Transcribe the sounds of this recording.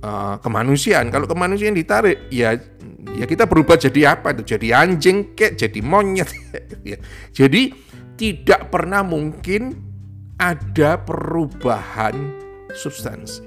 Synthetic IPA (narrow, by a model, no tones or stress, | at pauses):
ʔəkəma̰nusiaankaloʔkəmanus̬iandit̪aɾɪʔja | jakit̪abəɾubahd͡ʒadiapait̪ud͡ʒadiaɲd͡ʒɪŋkɛʔ̚d͡ʒadimoɲət̪̚it̪jad͡ʒ̥adi | t̪idaʔpərnahmuŋkɪn | ʔadapəɾub̥aha̰n | subst̪a̰ns